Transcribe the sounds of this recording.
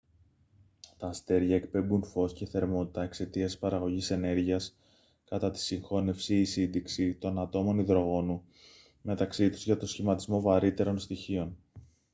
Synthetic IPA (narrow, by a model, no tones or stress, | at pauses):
t̪ɐːst̪e̞ɾʝɐekpe̞mbunfo̞sce̞θe̞ɾmo̞t̪i̥t̪ɐe̞kse̞t̪iɐsi̥pɐɾɐɣo̞ʝise̞ne̞ɾʝiɐs | kɐt̪ɐt̪i̥siŋxo̞ne̞fsiːsind̪iksit̪o̞nɐt̪o̞mo̞niðɾo̞ɣo̞nu | me̞t̪ɐksit̪u̥zʝɐt̪o̞sçimɐt̪izmo̞vɐɾit̪e̞ɾo̞nst̪içio̞n